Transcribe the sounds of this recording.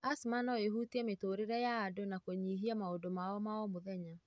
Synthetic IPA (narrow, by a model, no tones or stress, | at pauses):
asmanɔeɦutiɛmetoːɾeɾɛjaːdonakoɲiɦiamaodomaɔmaɔmoðɛɲa